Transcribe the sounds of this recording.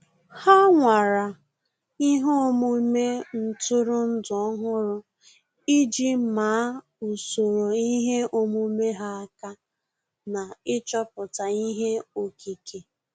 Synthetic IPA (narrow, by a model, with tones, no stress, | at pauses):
ha˦ŋʷa˨ɾa˨ | i˦ɦo˦mu˦me˦n̩˨tʊ˦ɾʊ˦n̩˦dʊ˨ɔ˦ɦʊ˦ɾʊ˦ | i˦d͡ʒi˦ma˨˦ | u˨so˨ɾo˨i˦ɦe˦ʔo˦mu˦me˦ɦa˦a˦ka˦ | na˨ɪ˦t͡ʃɔ˦pʊ˨ta˨i˦ɦe˦o˦kʰi˦kʰe˨